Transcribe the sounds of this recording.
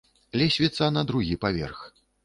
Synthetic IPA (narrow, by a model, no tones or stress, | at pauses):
lʲɛsʲvʲit̪sɐnɐd̪ɾuɣʲipavʲɛ̰rx